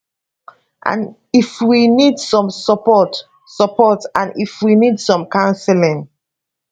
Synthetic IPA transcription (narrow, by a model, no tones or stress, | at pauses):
ʔã̰n | ifwinidsɔ̃msɔpɔt | səpɔtãnifwinidsɔ̃mkãʊ̃nsɛlĩŋ